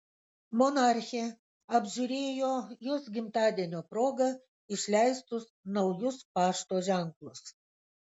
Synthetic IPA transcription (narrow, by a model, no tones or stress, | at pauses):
mɔnɑɾʲxʲe | ɐbʲʒʲʊɾʲeːjoːjoːsɡʲɪmt̪ɑːd̪ʲiɛnʲoːpɾoːɡɐ | ɪʃʲlʲæɪst̪ʊsnɐʊjʊspɑːʃt̪oːʒʲɛŋklˠʊs